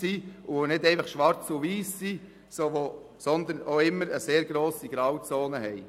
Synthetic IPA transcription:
siʊʋonɪdɛɪfɑχʃʋɑɾt͡sʊʋiːsːi | soːʋo | sɔnd̪ənoɪmːəɾəseːɾɡ̥ɾoːsiɡ̥ɾɑwt͡soːnəɦɛɪ

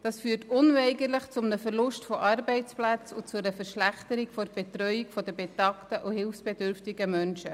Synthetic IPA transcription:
d̥ɑsfyːtʊnvɛɪɡəɾləχt͡sʊmnəfəɾlʊʃtfɔʔɑɾbɛɪt͡splæt͡sʊt͡sʊəɾəfəɾʃlæχtəɾikfob̥etɾœʏikfɔdəbetɑktəʔuhɪlfsb̥edʏɾftɪɡəmœnʃə

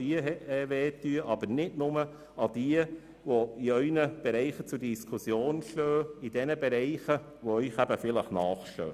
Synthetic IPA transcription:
iəɛɛʋeːtːyəʔɑbəɾnɪdnʊmə | ɑd̥iə | ʋoiœʏnəb̥ɛɾɛɪχət͡sʊɾdiskʰusjoːnʃtøːid̥ɛnəbɛɾɛɪχə | ʋɔœʏχæbəfɪləχnɑːχʃtø̰ː

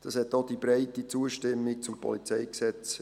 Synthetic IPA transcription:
d̥ɑshɛt̪ːod̥ibɾɛɪtit͡suəʃtɛmːɪk̚t͡sʊmpʰɔ̰lit͡sɛɪksɛt͡s

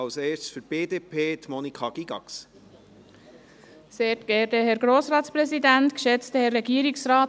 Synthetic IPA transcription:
ɑlseːtsfyɾb̥eːdeːpʰeːt̪mɔnikʰɑɡ̥iɡ̥ɑ̰ks | seːtɡ̥ɛːdəhɛɾɡɾoːsɾɑːtspɾɛsidæntkʃɛt͡stəhɛrːɛɡiːɾɪksɾaːt

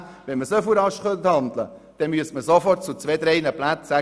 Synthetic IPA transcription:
ʋɛnməsœfuɾɑʃχœnt̪hɑnd̪ləd̪̥ɛnmyəsməsofɔrt̚t͡sut͡sveːd̪ɾɛɪnəplæt̪æ

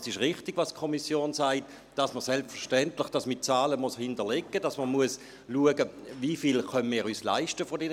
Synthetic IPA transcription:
sɪʃʁɪχtɪɡ̥ʋɑskʰɔmisjoːnsaɪt | d̥ɑsməʁsɛlpfəʃtɛntlɪχd̥ɑsmɪt̚t͡sɑːləmoshɪndəlekːəd̥ɑsməmuəs | luəɡəvifilχœnmɪːɾyːsla̰ɪʃtəfɔdɛn

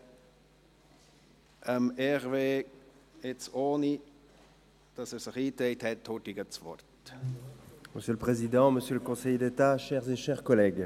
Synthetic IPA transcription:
ʔəmɛʁveː | ɪt͡soːni | d̥ɑsɛːɾsɪχiːt̪eɪthɛtʰːoːtiɡət͡svɔ̰rt̪ | məsjøləpχezid̪ɑ̃məsjøləkɔ̃sɛjd̪et̪aʃɛʁzeʃɛʁkɔlɛːɡ

